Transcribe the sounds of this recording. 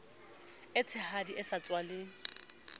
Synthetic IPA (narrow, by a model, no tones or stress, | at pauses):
ɪt͡sʰɪhadiʔɪsat͡sʼwalɪ